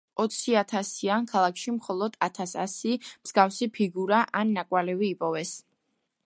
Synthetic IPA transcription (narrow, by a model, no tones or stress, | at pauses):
ɔt̪sʰiat̪ʰasiankʰalˠakʰʃimχɔlˠɔd̪̥at̪ʰasa̰simz̥ɡafsipʰiɡuɾaʔanːakʼwalɛviːpʼɔvɛs